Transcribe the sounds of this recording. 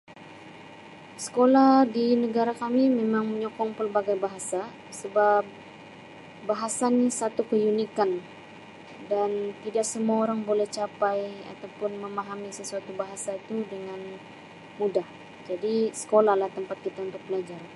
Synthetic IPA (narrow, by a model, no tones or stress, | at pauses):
sə̥kolahdinəɡaɾakamimemaŋməɲɔkɔŋpərbaɡajbaɦasa | səbap̚ | baɦasanisat̪ukəjunikan | dant̪idaksəmuaoɾaŋbolɛht͡ʃapaja̰t̪awpʊnməmaɦamisəsuat̪ubaɦasait̪udəŋan | mudah | d͡ʒadisə̥kolahlaht̪əmpat̪̚kit̪aunt̪ʊk̚pəlad͡ʒaɾan